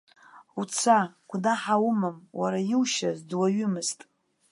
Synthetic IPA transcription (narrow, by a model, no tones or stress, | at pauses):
ut͡sʰaɡ̥ʷnaħawʊmɨmwaɾajɪwʃazdwaɥʏmɨztʼ